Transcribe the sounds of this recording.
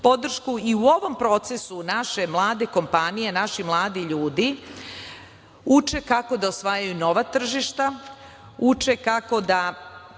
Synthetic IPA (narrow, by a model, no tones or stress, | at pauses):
po̞d̪r̩ʃkuiuo̞ʋo̞mpɾo̞ːt̪se̞sunaʃe̞mlˠaːd̪e̞ko̞mpanije̞naʃimlˠaːd̪iʎuːd̪i | ut͡ʃe̞kako̞d̪aosʋaːjajuno̞ʋat̪r̩ʒiʃt̪a | ut͡ʂe̞kako̞d̪a